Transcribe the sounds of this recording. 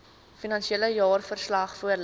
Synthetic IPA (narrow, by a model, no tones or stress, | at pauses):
finɐnʃieləjɑːrfərslɐχfuərl